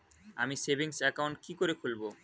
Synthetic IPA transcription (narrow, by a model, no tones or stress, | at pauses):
amisebiŋsɛkawɳʈ̚kikoɾekʰulbo